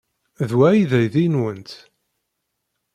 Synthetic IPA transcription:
ðwæjiðæjðinwənt̪

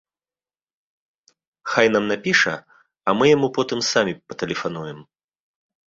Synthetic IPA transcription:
xajn̪amnapʲiʂɐ̰ | ɐmɨjamupɔt̪ɨmsamʲipɐt̪ɛlʲɛfanujɛm

